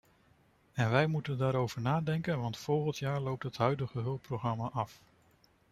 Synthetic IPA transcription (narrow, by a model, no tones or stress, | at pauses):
ɛnʋɛjmutəndaːɾowv̥əɹnaːdɛŋkənʋɑntfɔlˠχəntjaːɹlowp̚tɦətɦœɥdəχəɦɵlˠpːroχrɑmaʔɑf